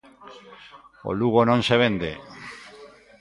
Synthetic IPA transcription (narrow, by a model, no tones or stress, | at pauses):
o̰luɣ̞onõnseβend̪e